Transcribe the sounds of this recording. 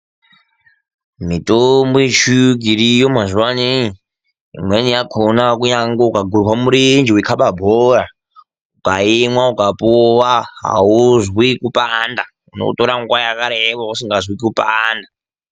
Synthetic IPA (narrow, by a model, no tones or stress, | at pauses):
mitombjet͡ʃuɡʱiɾijomazuwani | ḭmwenijakʰonakujaŋɡoukaɡʱuɾwamuɾind͡ʒiwikʰaɓabʱoɾa | ukaimwaukapuwaɦa̰uzwikupʼanda | uno̰toɾaŋɡwajakaɾeʋausiŋɡazwikupaːnda